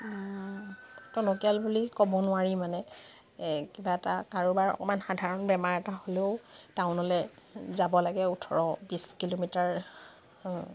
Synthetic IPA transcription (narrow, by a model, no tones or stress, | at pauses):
tɔnɔkialbulikɔbɔnʊaɹimanɛ | kibaɛtakaɹubaɹɔ̰kɔmanxadʱaɹɔnbɛmaɹɛtaholeʊtaʊnɔlɛzabɔlaɡɛutʰɔɹɔbiskilomitaɹ